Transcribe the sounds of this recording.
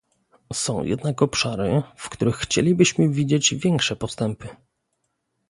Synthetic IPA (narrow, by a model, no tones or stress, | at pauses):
sɔ̃w̃jɛ̰d̪̚nakɔpʂaɾɘ̰fkt̪uɾɘxːt͡ɕḛlʲibɘɕmɘvʲid͡ʑed͡ʑvʲjɛŋkʂɛpɔst̪ɛmpɘ